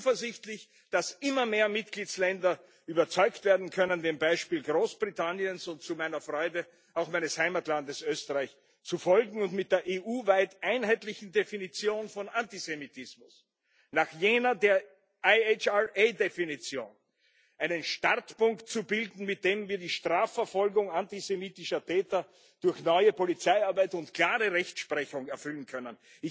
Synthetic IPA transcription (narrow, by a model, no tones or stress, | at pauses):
fəɐzɪçtlɪç | d̥asɪmɐmeːɐmɪt̚ɡ̥liːtt͡slɛndɐ | ʔyːbɐt͡sɔʏktv̥eːɐdn̩kʰœnəndeːmbaɪʃpiːlɡʁoːsb̥ʁitʰanjənsʊnt̚t͡sumaɪnɐfʁ̥ɔʏdə | aʊxmæɪnəshaɪmatlandəsʔøːstəʁaɪç | t͡sufɔlɡŋ̩ʊntmɪt̚d̥eːɐʔeːʔuːvaɪtʔaɪnhaɪtlɪçn̩definit͡sjoːnfɔnʔantizemitʰɪsmʊs | naχjeːnɐdeːɐ | aɪet͡ʃaeːdefinit͡sjo̰ːn | ʔaɪnənʃtaʁtpʊŋktt͡subɪldn̩mɪt̚d̥eːmviːɐdiːʃtʁ̥aːfːɛɐfɔlɡʊŋantizemiːtɪʃɐtʰɛːtɐ | d̥ʊɐçnɔʏəpolit͡saɪaɐbæɪtʊntkʰl̥aːʁəʁɛçtʃpʁɛçʊŋɛɐfʏlən̩kʰœnən | ɪ